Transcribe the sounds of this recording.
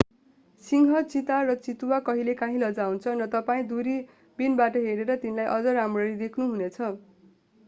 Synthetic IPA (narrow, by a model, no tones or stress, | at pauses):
siŋɦʌt͡sit̪arʌt͡sit̪uwakʌɦilekãɦĩlʌd͡zawnt͡sʰʌnʌt̪ʌpaĩd̪uɾi | binbaʈʌɦeɾeɾʌt̪inilajʔʌd͡zʌɾamrʌɾid̪ekʰnuɦunet͡sʰʌ